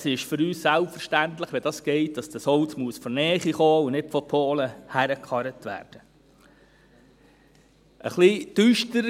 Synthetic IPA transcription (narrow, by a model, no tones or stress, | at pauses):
sɪʃfʏɾyːssælpfəɾʃtæntləχʋɛdɑsɡ̥ɛɪt̚d̥ɑsd̥̪əsɔlt͡smuəsfɔnɛːχiχoːunɪtfɔpʰoːləhæɾəkχɑɾətʋæ̰ːɾd̥ə | ʔə̰χlid̥yʃtəɾ